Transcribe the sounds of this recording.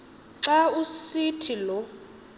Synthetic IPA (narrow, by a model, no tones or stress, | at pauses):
ǀausitʰilɔ